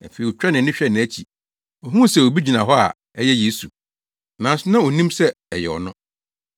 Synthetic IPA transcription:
æ˨fe˨i˨ɔ˨t͡ɕᶣɛ˦nɪ̃˨nɪ̃˦ɕᶣɛ˦nɪ̃˨æ˦t͡ɕʰi˨ | ɔ˨ɦũ˦˨sɛ˦˨o˨bi˦d͡ʑi˨nã˨ɦɔ˦a̰˨ | ɛ˦jɛ˦jeː˦su˨ | nã˨n˦sʊ˦nã˦o˨nĩ˦msɛ˦ɛ˨jɛ˨ɔ̰˨nʊ̃˦

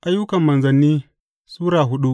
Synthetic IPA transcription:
ʔa˦jːʊ˦kɐ˨mːɐ˨nzɐ˨nːiː˦ | suː˦ɽaː˨ɦʊ˦ɗu˦ʔ

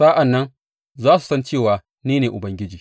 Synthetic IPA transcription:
saː˦ʔa˨nːɐ˦n | zaː˦su˨sɐ˦nt͡ʃeː˦˨waː˨ | niː˦neː˨ʔʊ˨bɐ˦ŋɡʲɪ˦d͡ʒiː˨

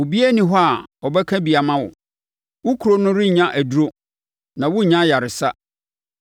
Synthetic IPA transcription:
ʊ˨bi˦æ˦nĩ˨ɦɔ˦a˨ɔ˨bɛ˦kʰã˦bi˨a˨mã˦wʊ̰˨ | wʊ˦kʰu˨ɾo˦nʊ̃˦ɾɪ˦˨ɲã˦ʔæ˨du˦ɾo˦ | nã˨wʊ˦˨ɲã˦ja˨ɾɪ˨sa˦

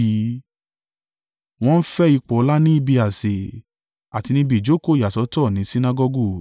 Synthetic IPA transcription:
i˨˦ | w̃ɔ̃˦n̩˦fɛ˦i˧k͡pɔ˨˧la˦nĩ˦i˦bi˧a˨se˨ | a˨ti˧nĩ˧˦bi˨d͡ʒo˨˦ko˦˨ja˨tɔ˨˧˦tɔ˦˨nĩ˨˦si˦na˦ɡɔ˧ɡu˦˨

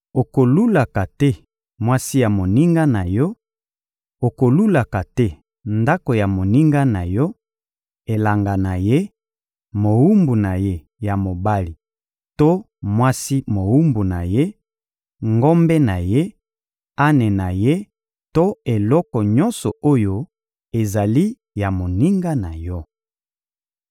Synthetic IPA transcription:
o˨ko˨lu˦la˨ka˨tɛ˦ | mwa˦si˦ja˨mo˨ni˦ŋɡa˦na˨jɔ˦ | o˨ko˨lu˦la˨ka˨tɛ˦ | nda˦ko˨ja˨mo˨ni˦ŋɡa˦na˨jɔ˦ | e˨la˨ŋɡa˨na˨je˦ | mo˨wu˦mbu˨na˨je˦ | ja˨mo˨ba˦li˨ | to˦ | mwa˦si˦mo˨wu˦mbu˨na˨je˦ | ŋɡo˦mbɛ˦na˨je˦ | a˦ne˨na˨je˦ | to˦e˨lɔ˦kɔ˨ɲɔ˦nsɔ˨o˦jo˦ | e˨za˨li˦ | ja˨mo˨ni˦ŋɡa˦na˨jɔ˦

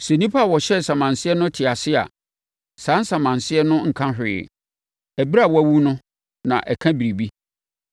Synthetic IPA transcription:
sɛ˨nĩ˦pʰa˦˨wɔ˨ɕɛ˦sã˨mã˨nsɪ˦ɛ˦nʊ̃˦tʰɪ˨a˨sɪ˦a̰˨ | sãː˨˦n˦sã˨mã˨nsɪ˦ɛ˦nʊ̃˦ŋ̩˨kʰã˦ɦɪ˨ɪ̰˨ | æ˨bi˦ɾa˦˨wɔ˦æ˦wu˦nʊ̃˦ | nã̰˨ʔɛ̰˨kʰã˦bi˨ɾi˨bi˦

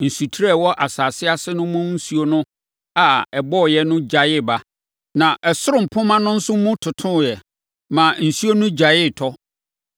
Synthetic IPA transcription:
n̩˨su˨tʰɾɛ˦˨wɔ˦ʔa˨saː˨sɪ˦a˦sɪ˦nʊ̃˦mũ˦n̩˦su˦o˦nʊ̃˦ | a˨ɛ˨bɔ˦˨jɛ˦nʊ̃˦d͡ʑa˨jɪ˦˨ba˦ | nã˨ʔɛ˨sʊ˦ɾʊ̃˨m̩˨pʰʊ̃˦mã˦nʊ̃˦n̩˦sʊ˦mʊ̃˦tʰʊ˨tʰʊ̃˦˨jɛ˨ | mã˨n̩˨su˦o˦nʊ̃˦d͡ʑa˨jɪ˦˨tʰɔ˦

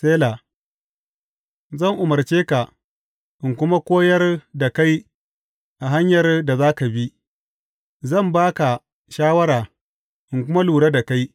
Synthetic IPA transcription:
seː˦la˨ | zɐ˦˨ŋʔʊ˨mɐ˨rt͡ʃeː˦ka˨ | ʔɪ˨ŋkʷʊ˦ma˦kʷoː˦jɐ˦rda˨ka˦j | ʔa˨ɦa˦ɲjɐ˨rda˨zaː˦ka˨bi˦ | zɐ˦˨mbaː˦ka˨ | ʃaː˦wɐ˦ɾaː˨ | ʔɪ˨ŋkʷʊ˦ma˦luː˨ɽaː˦da˨ka˦j

